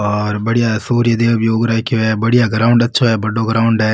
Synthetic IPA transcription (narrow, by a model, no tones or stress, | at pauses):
ɔːɾbɐɽijasuːɾjəd̪eːʋʊpjoːɡɾakjoɦɛːbɐɽijaɡɾaːʊ̃ɳɖɐtːʃʰaɦɛbɐɖːoɡɐɾaːʊ̃ɳɖɦɛː